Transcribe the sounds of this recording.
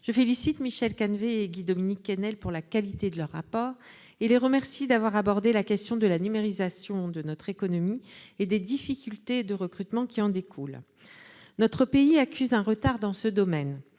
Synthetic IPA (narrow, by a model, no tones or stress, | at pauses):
ʒ̥əfelisit̪miʃɛlkanveeɡʲid̪ɔminikːɛnɛlpuʁlakalit̪ed̪əlœʁːapɔːʁ | eleʁəmɛʁsid̪avwaʁabɔʁd̪elakʲɛst̪jɔ̃d̪əlanymeʁizasjɔ̃d̪ənɔt̪χekɔnɔmied̪ed̪ifikʲylt̪ed̪əʁəkχyt̪mɑ̃kʲiɑ̃d̪ekʰul | nɔt̪χəpeiakʲyzɛ̃ʁət̪aʁd̪ɑ̃səd̪ɔmɛn